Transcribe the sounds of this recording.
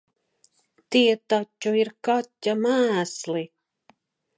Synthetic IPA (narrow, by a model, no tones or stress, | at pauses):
t̪iɛt̪atʲːuiɾkat̪ʲːamæːslˠi